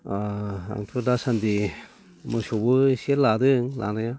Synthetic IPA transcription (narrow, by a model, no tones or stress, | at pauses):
aa̰ŋtʰudasandi | mɯsobɯseɾladɯŋlʔa̰naja